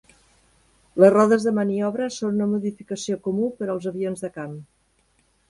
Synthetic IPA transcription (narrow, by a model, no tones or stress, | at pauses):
ləzrɔðəzðəməniɔβ̞ɾəsonunəmuðifikəsiokumupəɾəlˠzəβionzðəkam